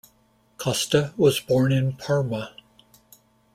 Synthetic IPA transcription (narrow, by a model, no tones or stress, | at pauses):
kʰʌstəwʌzbɔɹnɪ̃npʰɑɹmə